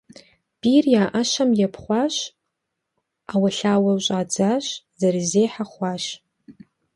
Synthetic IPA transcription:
b̥irjaːʔəʃamjapʰχʷaʃ | awaɬaːwaɕʷʼad͡zaʃ | zarizejħaχʷaʃ

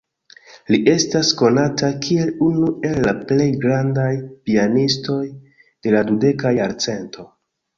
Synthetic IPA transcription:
liʔe̞stasko̞natakʰie̞lunuʔe̞lːaple̞jɡɾandajpianisto̞j | d̥e̞ladude̞kajaɾt͡se̞ntʰo̞

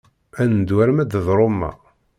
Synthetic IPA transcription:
ænd̪wæɾmæd̪əðˤɾˤomːæ̰

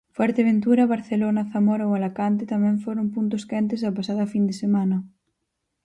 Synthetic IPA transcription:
fwɛɾt̪eβ̞ent̪uɾɐβaɾθelonɐθamoɾɐoalakant̪̬et̪amɛ̃ɱfoɾompunt̪ʊskɛnt̪ezɐpasaðɐfind̪esemanɐ

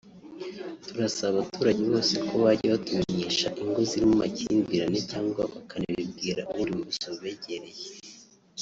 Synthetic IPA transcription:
tuɾasaβaβatuːɾaɟeβo̞ːsekoβaɾɟaβatumeɲeʃaʔiŋɡoziɾimumacḭːnbiɾanicaːŋɡwaβakʰaniβib̚ɡiːɾaʔuβuɾimusoβe̞ɟe̞ɾeje

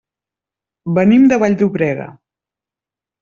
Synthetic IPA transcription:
bənimd̪əβaʎʲd̪uβɾɛɣə̰

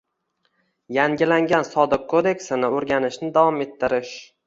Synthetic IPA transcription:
jaŋɡʲɪlaŋɡʲansɒd̪ɪqkʰːod̪e̞kʲsɪnɪoɾɡʲanɪʃnɪd̪avɒme̞t̪ʰːɪɾɪʃ

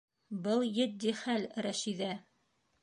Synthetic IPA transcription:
bɤlˠjɘ̆t̪̚d̪iχælɾæʃiðæ

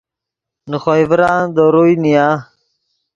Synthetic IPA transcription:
nəxoivɾaːnd̪oɾujnijaː

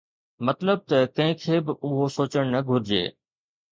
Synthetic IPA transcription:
mɐt̪ləb̚t̪ɐkɐ̃ɦɪ̃kʰeːbɪʔʊɦosoːt͡ɕəɽ̃nɐɡʱʊɾɪd͡ʑḛː

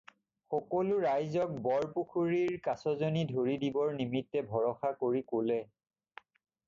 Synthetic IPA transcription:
xɔkɔlʊɹajzɔk̚bɔɹpukʰuɹiɹkasɔzonidʱoɹidibɔɹnimitːɛbʱɔɹɔxakoɹikolɛ

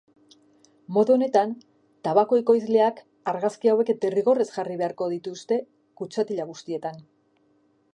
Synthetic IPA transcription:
mo̞ðuo̞ne̞t̪an | t̪aβako̞eko̞jzle̞ak | aɾɣaskiawe̞ket̪eriɣo̞re̞sʝariβe̞aɾko̞ðit̪ust̪e̞ | kut͡ʃat̪iʎaɣ̞ust̪ie̞t̪an

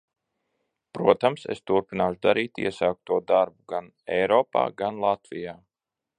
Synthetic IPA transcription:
pɾuɔt̪amsḛst̪uɾpinaːʃud̪aɾiːt̪ḭɛsaːk̚t̪uɔd̪aɾbuɡan | ɛjɾɔːpa̰ːɡanlˠat̪vijaː

